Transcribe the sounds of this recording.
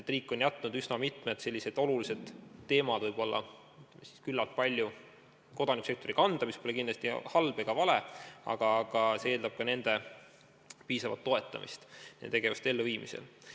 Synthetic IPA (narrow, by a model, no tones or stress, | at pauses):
et̪ːˑriːkːˑo̞njæt̪ːˑnud̪ysnɑmit̪ˑmed̪se̞lːise̞d̪̥o̞lulise̞d̪̥t̪ːe̞ːmɑd̪vɤjb̥o̞lːɑ̰ | yt̪lemsi̥skylːɑlt̪̚pɑlʲju | ko̞d̪̥ɑniku̥se̞kt̪o̞ɾikɑnd̪̥ɑmispo̞le̞kinlɑst̪ihɑlb̥eɡ̥ɑvɑle̞ɑ̰ɡ̥ɑɡ̥ɑsee̞ːld̪ɑb̥̚kɑne̞nd̪̥e̞ | piːsɑvɑ̰lt̪ːo̞e̞t̪ˑːɑ̰mḭst̪ḛt̪e̞ɡe̞vust̪e̞lːuviːmisḛl